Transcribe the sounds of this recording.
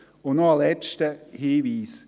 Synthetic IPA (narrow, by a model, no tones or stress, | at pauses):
onoalɛt͡ʃtəhiːʋiːs